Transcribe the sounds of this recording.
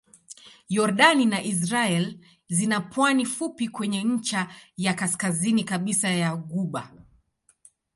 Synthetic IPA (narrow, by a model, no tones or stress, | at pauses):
jɔɾɗaninaʔis̬ɾaɛl | zinapwanifupikwɛɲɛɲ̩t͡ʃajakaskazinikaɓisajaɡuɓa